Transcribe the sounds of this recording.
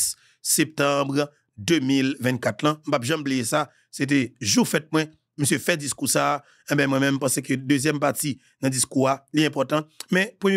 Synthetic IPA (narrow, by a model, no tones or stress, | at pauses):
sɛp̚t̪ãbʁ | d̪ømilvɛ̃ntkat̪lãm̩papʒãmblijesa | set̬ɛʒufɛt̚mwɛ̃ | məsjøfɛd͡ziskusaː | ẽbɛ̃mw̃ɛ̃mɛ̃mpãsekød̪øzjɛmpati | nɐ̃d͡ziskualiɛ̃pɔt̪ɑ̃mɛ̃pʁəmj